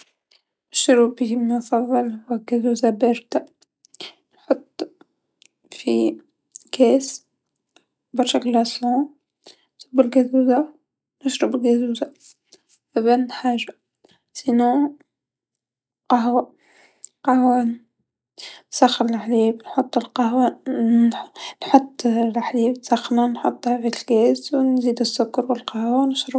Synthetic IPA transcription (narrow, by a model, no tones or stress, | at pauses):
ɪʃɾubiməfɑðˤːɨlwaɡazuːzabɾt̪a | nħʊt̪ˤː | fi | ɡeːs | bɑɾʃaklɑsˤluː | sʊbːɪlɡazuːza | nɪʃɾɑbɪɡazuːza | fæbænːħaːʒa | sino | qɑɦwa | qɑhwa | nsaxːəɾɪlʔaħliːbnħot̪ˤːəlqɑɦwa | nħot̪ˤːlaħliːbnsɑxnanħot̪ˤːhavilkæːswnziːd̪ɪsːʊkːɑɾwɪlqɑhwanəʃɾə